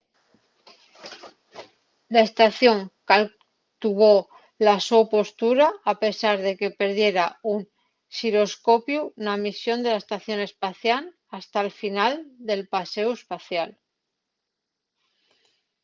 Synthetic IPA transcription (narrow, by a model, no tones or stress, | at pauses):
lae̞st̪aθjo̞ŋkal | t̪uβo | laso̞po̞st̪uɾaːpe̞saɾðe̞ke̞pe̞ɾðje̞ɾaun | siɾo̞sko̞pjunamisjo̞nd̪e̞lae̞st̪aθjo̞ne̞spaθjal | ast̪alfinald̪e̞lpase̞uespaθjal